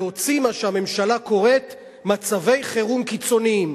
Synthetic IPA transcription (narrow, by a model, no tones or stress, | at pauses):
o̞t͡simaʃehame̞mʃalako̞ʁe̞t | mat͡save̞jχe̞ʁumkit͡so̞niim